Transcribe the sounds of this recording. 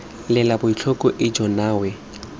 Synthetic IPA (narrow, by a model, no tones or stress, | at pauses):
lɪlabʊit͡ɬʰɔkʼɔʔɪd͡ʒɔnaːwɛ